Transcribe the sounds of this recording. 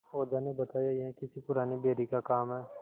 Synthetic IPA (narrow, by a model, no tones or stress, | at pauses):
oːd͡ʒanẽbɐt̪aːjajeɦɛ̃kɪsipʊɾaːnebeːɾikakaːmɦɛː